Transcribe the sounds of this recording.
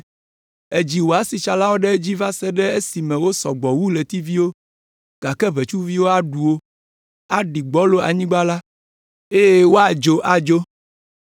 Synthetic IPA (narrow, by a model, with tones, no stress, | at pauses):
e˨d͡ʑi˨wo˨a˨si˨t͡ʃa˨la˦wo˦ɖɛ˦d͡ʑi˦va˦sɛ˦ɖɛ˦e˦si˨mɛ̃˨wo˦sɔ˨ɡ͡bɔ˨wu˦le˨t̪i˦vi˦wo˦ | ɡ̥a˨kɛ˦βe˨t͡ʃu˦vi˦wo˦a˨ɖu˨wo˦ | a˦ɖi˨ɡ͡bɔ˦lo˦a̰˨ɲĩ˦ɡ͡ba˦la˦ | e˦je˦wo˦a˨d͡ʒo˦ʔa˨d͡ʒo˦